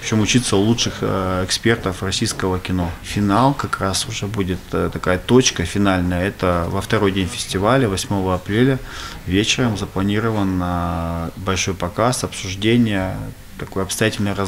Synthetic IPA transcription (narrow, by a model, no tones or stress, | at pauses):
pʲɪt͡ɕo̞mʊt͡ɕit̪səlˠutʂɨxɛkspʲe̞rt̪əfrɐsʲijskəvəkʲɪno̞fʲɪnalˠkɐkɾasʊʐɛbudʲɪt̪t̪ɐkajət̪ot͡ɕkəfʲɪnalʲnəjəɛt̪əvəft̪ɐɾo̞jdʲenʲfʲɪ̥sʲtʲɪvalʲəvɐsʲmo̞vəɐpɾʲelʲəvʲet͡ɕɪɾəmzəplˠɐnʲiɾəvənəbɐlʲʂo̞jpɐkasɐpsʊʐdʲenʲɪjə | t̪ɐko̞jɐpst̪ɐjatʲɪlʲnəjrɐ